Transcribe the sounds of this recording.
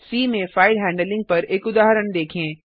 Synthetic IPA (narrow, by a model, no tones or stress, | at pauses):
siːmẽfaːɪɖɦɛ̃ːɳɖəlɪ̃ŋɡ̚pɐɾeːkʊd̪aːɦɾəɽ̃d̪eːkʰẽː